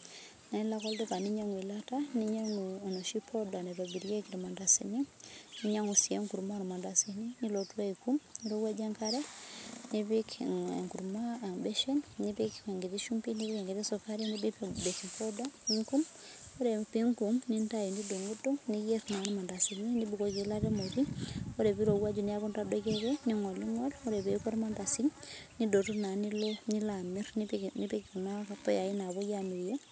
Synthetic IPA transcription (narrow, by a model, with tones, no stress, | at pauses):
na˨˦la˦kɔ˦ldi˦ka˨ni˦ɲa˦ŋwi˨la˦ta˦ni˦ɲa˦ŋ˨no˨ʃi˦pʰɔ˦da˨ni˨ɾo˨bi˨ɾje˦ki˨ɾi˨ma˨nda˨si˨ni˦ni˦ɲa˦ŋu˨sie˦ŋku˨ɾma˦nɔ˨ma˨nda˨si˦ni˦ni˦lo˨twa˦i˨ku˦mni˦ɾu˦wa˦d͡ʒa˦ŋka˦ɾɛ˦ni˦bi˦kŋku˨ɾma˦˨bɛ˦ʃɛ˦nni˦pi˦ke˨ŋɡi˨ti˦ʃu˦mpi˦ni˦bi˦ke˨ŋɡɪ˨ti˦sɔ˨ka˦ɾi˦ni˦dibe˨ki˨pɔ˦da˦i˦ŋku˦m | o˦ɾe˨pi˦ŋku˨mninta˦ji˨ndi˦do˨ŋɡu˦to˦ŋnijɛ˦ɾna˨nma˨nda˨simini˦bu˨ko˨ki˨la˦ɾe˦moɾi˦oɾe˨bi˦ɾo˨wa˦d͡ʒu˨ni˦a˦ku˦nra˦dɔkɛ˦kɛni˦ŋɔ˨li˦ŋɔ˦lɔ˦ɾɛ˨be˦kɔ˦ɾma˦nda˨si˦ŋnido˨tu˦na˨ni˦loni˦la˨mi˦ɾnini˦pi˦kna˦apɔ˦ja˨i˦na˨βɔ˦jami˨jo˦